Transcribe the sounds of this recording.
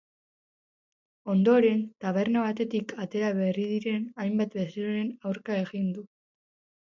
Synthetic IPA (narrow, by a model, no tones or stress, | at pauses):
o̞nd̪o̞ɾe̞nt̪aβ̞e̞rnoβat̪e̞t̪ikʰat̪e̞ɾaβe̞riðiɾe̞najmbat̪be̞seɾoɾe̞nawɾkae̞ɣind̪u